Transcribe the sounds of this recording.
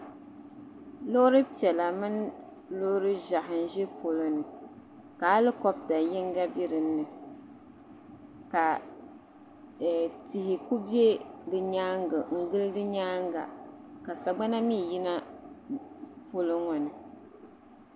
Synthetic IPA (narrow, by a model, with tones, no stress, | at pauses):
lo˦ɾɨ˦pi˨ɛ˨la˨mɨ˦n | lʊ˦ɾɨ˦ʒa˨ɦɨ˨n̩˨ʒɛ˦po˨lɨ˦nɨ˨ | ka˨a˦lɨ˦kɔ˦b̚da˨jɪ˦ŋ˦ɡa˦bi˦ɾɨ˨nː˦ɨ˨ | ka˨ | ti˨hɪ˨ku˦bi˦e˦dɨ˨ɲaː˦ŋ˦ɡɨ˨ŋ̩˨ɡɨ˦ldɨ˦ɲaː˦ŋɡa̰˨ka˨sa˨ɡ͡ba˦na˦mi˦˨ji˦na˦ | po˦lɨ˦ŋɔ˨nɨ˨